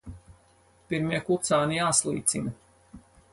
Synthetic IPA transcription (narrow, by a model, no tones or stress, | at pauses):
piɾmiɛkut̪saːnijaːslˠḭːt̪sḭn